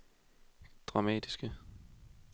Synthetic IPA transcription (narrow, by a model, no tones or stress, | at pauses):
d̥ʁɑ̈mɛ̰ːd̥isɡ̥ə